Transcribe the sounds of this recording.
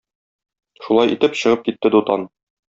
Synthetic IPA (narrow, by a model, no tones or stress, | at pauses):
ʃulˠɑjʔḭt̪ɘpɕɤ̆ʁɤp̚kit̪ːɘd̪ut̪ɑn